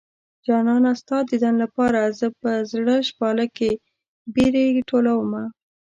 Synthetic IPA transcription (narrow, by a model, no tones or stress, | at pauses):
d͡ʒɑnɑnast̪ɑd̪əd̪anlapɑɾazəpəzɽəʃpɑləke | beɾeʈolawəma